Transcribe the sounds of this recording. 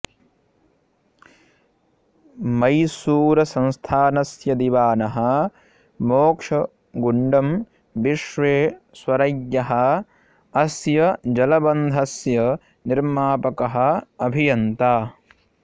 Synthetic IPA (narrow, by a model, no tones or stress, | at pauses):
mɐjsuːɾɐsɐ̃nst̪ʰaːnɐsjɐd̪iʋaːnɐɦɐ̆ | moːkʂɐ | ɡuɳɖɐm | ʋiʃʋeː | swɐɾɐjjɐɦɐ̆ | ɐsjɐd͡ʒɐlɐbɐnd̪ʱɐsjɐ | niɾmaːpɐkɐɦɐ̆ɐbʱijɐnt̪aː